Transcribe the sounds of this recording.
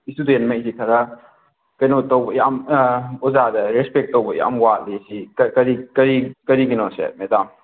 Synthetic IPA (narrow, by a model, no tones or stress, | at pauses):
istudenmɐjsikʰɐɾɐ | kɐjnɔtɔwbɐjamɔzadɐɾespek̚tːowbɐja̰mwat̚lisikɐɾikɐɾikɐɾiɡinɔsḛmedam